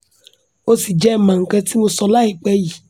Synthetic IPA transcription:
o˧si˨d͡ʒɛ˦˨mã˨ŋ̩˨kã˧ti˦mo˧sɔ˧la˦i˦˨k͡pɛ˧ji˨

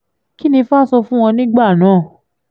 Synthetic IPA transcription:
ki˦nĩ˧fa˦sɔ˧fũ˦w̃ɔ̃˧nĩ˦ɡ͡ba˦˨nãː˨˦˨

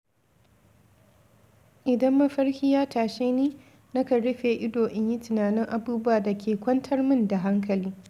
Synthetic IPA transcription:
ʔɪ˨dɐ˦mːɐ˦ɸɐ˦ɽhɪ˦jaː˦tʰaː˨ʃeː˦niː˦ | nɐ˦ka˨ɽɪ˦ɸeː˨ʔɪ˦doː˨ʔɪ˦ɲji˦tʊ˨naː˨nɪ˦ŋʔa˨buː˦bʊ˦waː˨da˨kʲʰeː˨kʷɐ˦ntʰɐ˦rmɪ˦nda˨ɦa˦ŋkɐ˨liː˦

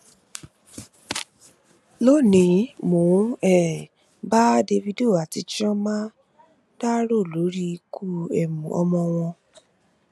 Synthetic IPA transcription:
lo˦˨nĩ˨˦mõ˨˦ɛ˦˨ | ba˦de˧vi˧do˦˨a˨ti˧t͡ʃɔ̃˦mã˦ | da˦ɾo˦˨lo˨˦ɾi˦kʰu˦ɛ˦˨mũ˨ɔ̰˧mɔ̃˧w̃ɔ̃˧

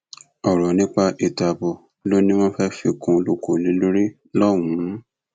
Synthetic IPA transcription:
ɔ˨ɾɔ˨nĩ˦k͡pa˧ʔi˨ta˧bɔ˧ | lo˦nĩ˦w̃ɔ̃˦fɛ˦fi˧kũ˧lo˧ko˨nĩ˨˦lo˦ɾi˦ | lɔ˦˨wũ˨˦

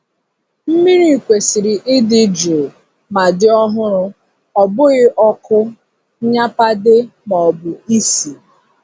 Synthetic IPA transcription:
m̩˦mi˦ɾi˦˨kʷe˨si˨ɾi˨ʔɪ˦dɪ˦d͡ʒo˨ | ma˨dɪ˦ɔ˦ɦʊ˦ɾʊ˦ | ɔ˨bʊ˦ɣɪ˦ʔɔ˦kʰʊ˦ | ɲa˦pa˦dɪ˦mɔ˨bʊ˨i˦si˨

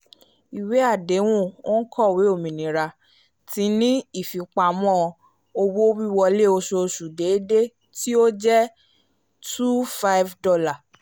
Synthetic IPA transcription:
i˨we˨˦a˦˨de˨˦w̃ũ˦˨o˦n̩˦kʰɔ˦˨we˨˦o˦˨mĩ˨nĩ˨ɾa˧ | ti˨˦nĩ˦i˦˨fi˨k͡pa˨mɔ̃˦˧ | o˧wo˦o˦wi˦wɔ˧le˦˨o˧ʃo˧ʃu˨de˨˦de˦ | ti˦o˦d͡ʒɛ˦ | tu˦fa˦jvdɔ˦la˦˨

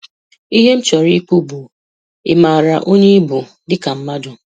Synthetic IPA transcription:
i˦ɦe˦m̩˦t͡ʃɔ˨ɾi˦ku˦bu˨ | ɪ˨maː˨ɾa˨ʔo˦ɲe˦bu˨ | dɪ˦ka˨m̩˦ma˦dʊ˨

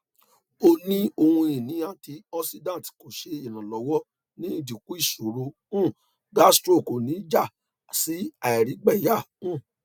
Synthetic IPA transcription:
o˧nĩ˦o˧hũ˧ĩ˨nĩ˨˦ã˦˨ti˧ɔ˦˧si˧dã˦˨ti̥˨ko˨ʃe˧i˨nã˨lɔ˨˦wɔ˦ | nĩ˦i˦˨di˨ku˦i˦˨su˨˦ɾo˧˦ | ũ˦˨ | ɡa˦stɾo˦˨ko˨nĩ˨˦d͡ʒa˦˨ | si˨˦a˨ɛ˨ɾi˨˦ɡ͡bɛ˦˨ja˦˨ | ũ˦˨

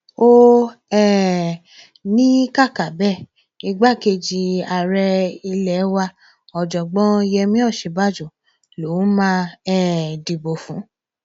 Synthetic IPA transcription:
o˦ɛ˦˨ | nĩ˦ka˦˨ka˨bɛ˦˨ | i˧ɡ͡ba˦˨ke˧d͡ʒi˧a˨ɾɛ˧i˧lɛ˨˦wa˧ | ɔ˨d͡ʒɔ˨ɡ͡bɔ̃˦jɛ˧mĩ˦ɔ˦˨ʃe˨˧˦ba˦˨d͡ʒo˨ | lo˨˦mã˦ɛ˦˨di˨bo˨fũ˨˦

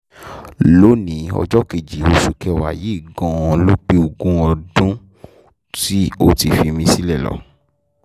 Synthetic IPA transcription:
lo˦nĩ˨˦ɔ̰˧d͡ʒɔ˦ke˨d͡ʒi˨o˧ʃu˨kɛ˧wa̰˨ji˨˦˨ɡɔ̃˧˦ɔ̃˧lo˦k͡pe˦o˧˨ɡũ˦ɔ˧dũ˦ | ti˦o˦ti˨fi˧mĩ˧si˦lɛ˦˨lɔ̰˨

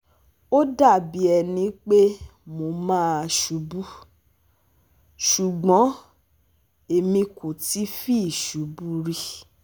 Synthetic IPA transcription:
o˦da˦˨bi˨˦ɛ˧nĩ˨˧˦k͡pe˦mo˧mãː˦a˧ʃu˨˦bu˦ | ʃu˨ɡ͡bɔ̃˨˦ | e˧mĩ˧ko˨ti˨˦fi˦˨ʃu˨˦bu˦ɾi˧

